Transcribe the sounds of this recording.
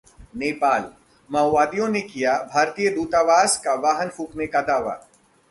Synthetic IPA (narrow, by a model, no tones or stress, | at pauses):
neːpaːl | mɐʋaːd̪ijõnekijabʱaːɾt̪ijəd̪uːt̪aːʋaːskaʋaːɦənfʰuːknekad̪aːʋa̰ː